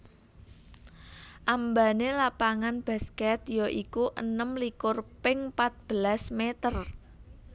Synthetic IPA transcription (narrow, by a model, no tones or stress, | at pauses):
ʔambanelapaŋanb̥a̤skɛt̪joʔikuʔə̰nəmlikʊrpɪŋpat̪̚b̥əlasmet̪ər